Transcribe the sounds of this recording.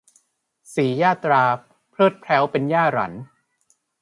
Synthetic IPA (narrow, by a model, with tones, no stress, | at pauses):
siː˩˦jaː˥˩t̪ɾaː˧ | pʰɾɤː˥˩t̪̚pʰɾɛ˦˥wpe˧njaː˥˩ɾa̰˩˦n